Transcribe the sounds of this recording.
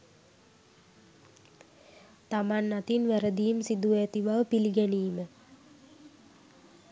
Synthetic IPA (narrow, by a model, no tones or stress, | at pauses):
t̪amanːat̪inʋæɾəd̪iːmsid̪uæt̪iʋaʋəpiliɡɛniːmə